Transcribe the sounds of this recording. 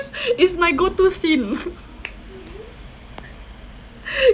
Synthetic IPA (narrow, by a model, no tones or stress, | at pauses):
sɪsmaɪɡotusĩn